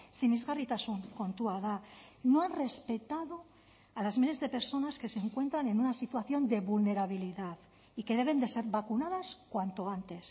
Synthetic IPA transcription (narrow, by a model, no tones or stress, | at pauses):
simizɣarit̪asoŋko̞nt̪uaðano̞anre̞spe̞t̪aðo̞ | alazmile̞zðe̞pe̞ɾso̞naske̞seŋkwe̞nt̪ɾane̞nunasit̪waθjo̞nd̪e̞βulne̞ɾaβ̞iliðað | ike̞ðe̞β̞e̞nd̪e̞se̞ɾβakunað̞askwant̪o̞ant̪e̞s